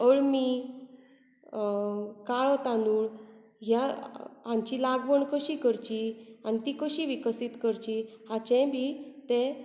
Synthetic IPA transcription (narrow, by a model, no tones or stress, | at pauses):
əɭmiː | kaɭɔt̪anuːɭɦjaãɲt͡ɕilaɡʋəɳkəɕiːkəɾt͡ɕianit̪ikəɕiʋikəsit̪kəɾt͡ɕihat͡ɕɛ̃bʱit̪e